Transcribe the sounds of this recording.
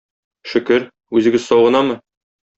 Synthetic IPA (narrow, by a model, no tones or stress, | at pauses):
ʃɵ̆kɘɾ | ʉzɘ̆ɡɘzsɒwʁɤ̆nɑmɤ